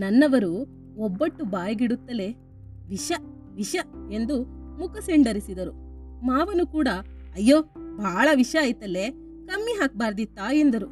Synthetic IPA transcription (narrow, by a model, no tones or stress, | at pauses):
nɐnːɐʋɐɾu | ɔbːɐʈːubaːjɐɡiɽut̪ːɐle̞ | ʋiʃɐ | ʋiʃɐe̞nd̪umukɐseɳɖɐɾisid̪ɐɾumaːʋɐnukuːɽɐ | ɐjːoːbʱaːɭɐʋiʃɐːjt̪ɐlːe | kɐmːiɦaːk̚baːɾd̪it̪ːaːjend̪ɐɾu